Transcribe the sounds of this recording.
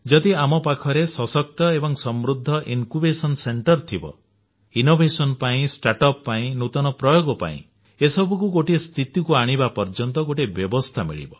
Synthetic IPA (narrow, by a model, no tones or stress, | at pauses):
d͡ʒɔd̪iamɔpakʰɔɾesɔsɔk̚t̪ɔebɔŋsɔmɾud̪ʱːɔʔinkubesɔnseɳʈɔɾt̪ʰibɔ̰ | inobʱesɔnpaĩsʈaʈɔpːaĩnut̪ɔnɔpɾɔjoɡɔpa̰ḭ̃ | esɔbukuɡoʈist̪ʰit̪ikuaɽ̃ibapɔɾd͡ʒɔnt̪ɔɡoʈebjɔbɔst̪ʰamḭɭḭbɔ